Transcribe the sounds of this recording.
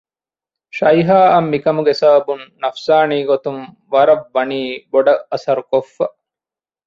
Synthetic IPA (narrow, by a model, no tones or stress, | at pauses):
ʃɐjɦaːʔɐmːikɐmuɡesɐbɐbunːɐfsaːniːɡot̪um | ʋɐɾɐʋːɐniːboɖɐɐsɐɾukofːɐʔ